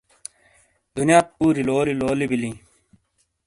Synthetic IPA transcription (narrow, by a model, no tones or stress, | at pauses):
d̪unjaːt̪̚puːɾiloːliloːlibilĩː